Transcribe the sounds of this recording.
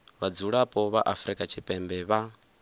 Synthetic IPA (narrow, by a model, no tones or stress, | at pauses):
βad͡zuɺapʼɔβaʔafɾikʼat͡ʃʰipʼɛmbɛβa